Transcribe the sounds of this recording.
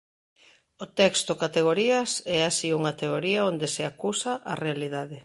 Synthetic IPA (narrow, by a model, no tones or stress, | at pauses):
ot̪ɛkst̪okat̪eɣ̞oɾiɐsɛasiuŋat̪eoɾiaond̪eseakusaʔarealiðaðe